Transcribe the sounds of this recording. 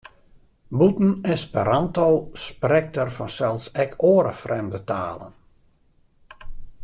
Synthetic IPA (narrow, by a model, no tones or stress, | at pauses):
butn̩ɪspəɾantowsprɛk̚tərfɔnsɛlˠsɛkʰoəɾə̰frɛmdəta̰ːlə̰n